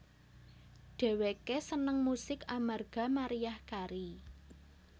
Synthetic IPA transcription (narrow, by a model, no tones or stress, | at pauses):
ɖ̥e̤wekesənəŋmusɪkamarɡ̥a̤maɾijahkaɾi